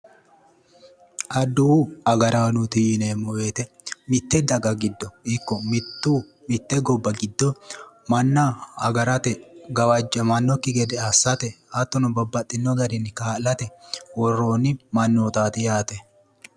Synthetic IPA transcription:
ʔɐd̪ːuɐɡɐɾanʊt̪ineːmːɔweːt̪ɛ | mɪt̪ːɛd̪ɐɡɐɡɪd̪ːɔɪkːɔmɪt̪ːuː | mɪt̪ːɛɡɔbːɐɡɪd̪ːɔ | mɐnːaɐɡɐɾɐt̪ɛɡɐwɐd͡ʒːɐmɐnːɔkːɪɡɛd̪ɛɐsːɐt̪ɛ | ɐt̪ːɔnɔbɐbːɐt̪ʼːɪnːɔɡɐɾɪnːkaːlɐt̪ɛwɔrːoːnːɪmɐnːoːt̪aːt̪ɪjaːt̪ɛ

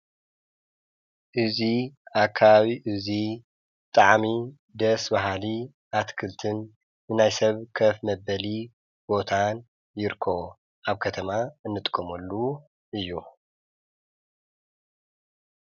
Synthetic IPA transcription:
ʔɨziʔakʰːaβaβiʔɨzi | t̪ʼaʕmi | d̪ɐsbaɦali | ʔat̪kʰɨlt̪ʰɨnː | ɨnajsɐβkʰɐfmɐbɐli | b̥o̞t̪ʰan | jɪɾkʰo̞ | ʔaβkʰɐt̪ʰɐmaɨnːɨt̪ʼɨ̥kʼːɐmɐlːu | ʔɨjːu

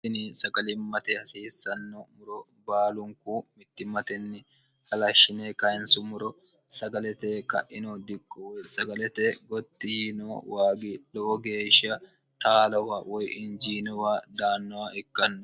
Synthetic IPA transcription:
ɪnisɐɡɐlɪmːɐt̪ehɐsiːsːɐnːɔmʊɾɔ | baːlʊŋkuːmɪt̪ːɪmɐt̪ɛnːɪ | hɐlɐʃːɪneːkɐɪnsʊmʊɾɔ | sɐɡɐlɛt̪eːkɐ̰ʔɪnod̪ɪkʼːɔsɐɡɐlɛt̪eɡɔt̪ːinowaːɡɪlɔʔɔɡeːʃɐ | t̪aːlɐwaːwɔjʔɪnd͡ʒiːnɔwaːd̪aːnːɔwaɪkːɐnːɔ

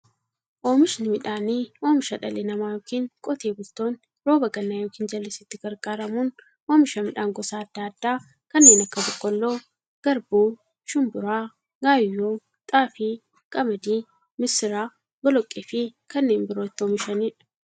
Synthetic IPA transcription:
ʔoːmɪʃnɪmɪᶑaːniːo̞ːmɪʃɐᶑɐ̰leːnɐmaːjoːkiːŋkʼɔt̪eːɡʊlt̪oːn | ɾo̞ːbɐɡɐnːaːjoːkiːnd͡ʒɐlːesɪt̪ːɪɡ̥ɐɾkʼaːɾɐmuːn | oːmɪʃɐmɪᶑaːŋɡɔsaːd̪̥ːaːɐd̪ːaː | kɐnːeːnɐkːɐbɔkʼːɔlːo̞ː | ɡ̥ɐɾbuː | ʃʊmbʊɾaː | ɡaːjoː | t̪ʼaːfi | kʼɐmɐd̪iː | mɪsɪɾaː | ɡɔlɔkʼːeːfɪkɐnːeːnbɪɾo̞ːɪt̪ːɪoːmɪʃɐniːᶑ̥

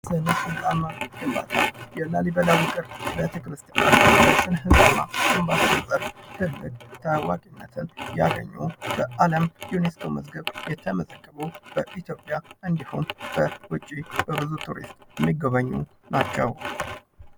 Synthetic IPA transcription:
sənəɨzʼamahɨba̰t̪ʰajɛlːalibəlawɨkʼɨɾbet̪ʰəkɾɨst̪ja̰naləsɨnhɨɡama̰ɨmbasənsʼəɾfh̪ʰɨlːɨɡ̚t̪ʰəwa̰kʼinːət̪ʰɨnjaɡə̰ɲːṵb̥əʔaləmjunest̪ʰoməzɡəβjɛt̪ʰəməzəɡːəβub̥əʔit̪jo̞pʼjaʔɨnd̪ihumb̥əwʊt͡ʃʼːib̥əbɨzut̪ʰuɾḭst̪ʼjɛmːiɡəβaɲːṵ | nat͡ʃːɛw

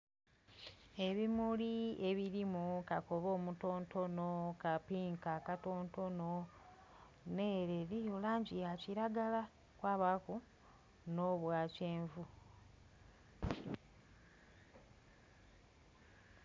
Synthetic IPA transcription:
e̞βimulie̞βiɾimukakoβo̞ːmuto̞ːnto̞no̞kapiːŋkakatoːnto̞no̞ | neːɾeɾijolaːɲɟijaciɾaɡala | kwaːβaku | no̞βwaːceːɱvu

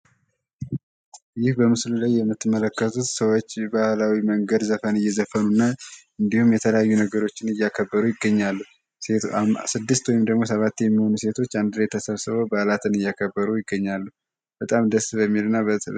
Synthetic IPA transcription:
jɪhbəmɨslulajːɛmːɨt̪ːɨmːələkːət̪ʰut̪səwot͡ʃːbahlawiməŋɡəd̪zəfənɨjːɛzəfənunːa | ɨnd̪ihumjɛt̪ʰələjajːunəɡəɾo̞t͡ʃːɪnɨjːakʰəbːəɾujɪɡːəɲːalːuh | esɨd̪ːɨst̪wɔjɪmd̪əɡmo̞səβat̪ːjɛmːiho̞nuse̞t̪ʰo̞t͡ʃːand̪ɨlet̪ʰːəsəβsɨβobalat̪ʰɨnɨjakʰəbːəɾujɪɡːəɲːalːuh | b̥ət̪ʼamd̪əsbəmːilɨnːa

